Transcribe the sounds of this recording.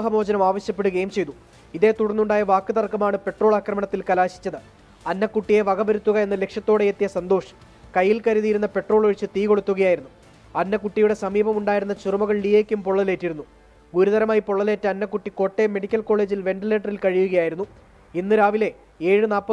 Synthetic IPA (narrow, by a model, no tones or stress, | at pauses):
ɦɐmo̞ːd͡ʑɐnɐmaːʋɐɕjɐpːe̞ɽuɡejmt͡ɕe̞jt̪u | iðe̞ːt̪uɽɐnːuɳɖaːjɐʋaːkːɨt̪ɐrkːɐmaːɳɨpe̞ʈroːɭaːkrɐmɐɳɐt̪ːilkɐlaːɕi̥t͡ɕːɐðɨ | ɐnːɐkːuʈːije̞ʋɐɡɐbɐɾut̪ːuɣɐe̞nːɐle̞kʂjɐt̪ːo̞ːɽe̞et̪ːijɐsɐnd̪o̞ːʂɐ̥ | kɐjːilkɐɾuðijɾunːɐpe̞ʈro̞ːɭo̞ɻit͡ɕːɨt̪iːko̞ɽut̪ːuɣɐjaːjiɾunːu | ɐnːɐkuʈːijuɽe̞sɐmiːbɐmuɳɖaːjiɾunːɐt͡ɕurumɐɣɐɭɖieːkʲːumpoɭːɐle̞ːtːiɾunːu | ɡuɾuðɐɾɐmaːjipoɭːɐle̞ːtːɨɐnːɐkːuʈːiko̞ʈːeme̞ɽikʲːɐlko̞ːɭe̞ːd͡ʑilʋe̞ɳɖɨle̞ːʈːɐrilkɐɻijuɣɐjaːjiɾunːu | inːɨɾaːʋile̞ | e̞ːɻɨnaːlpːɐ